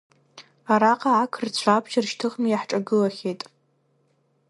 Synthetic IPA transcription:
aɾaqʼaːkʰɨrt͡ɕʷʰabʒarʃtʰɨχmijaħʈ͡ʂʼaɡɨlaχʲetʼ

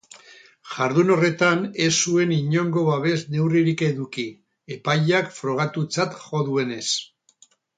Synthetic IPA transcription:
ʝaɾðuno̞re̞t̪ane̞sue̞niɲo̞ŋɡo̞βaβe̞zne̞wriɾike̞ðuki | e̞paʎakfɾo̞ɣ̞at̪ut͡sat̪xo̞ðue̞ne̞s

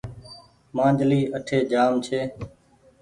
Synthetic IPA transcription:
mãːd͡ʒʱliːʔəʈʰeːd͡ʒaːmt͡ʃʰeː

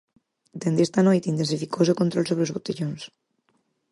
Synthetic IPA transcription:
d̪end̪est̪anojt̪int̪ensifikosokont̪ɾolsoβɾeozβot̪eʎons

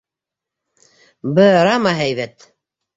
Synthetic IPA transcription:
bɤɾɑmaɦæjβæt̪

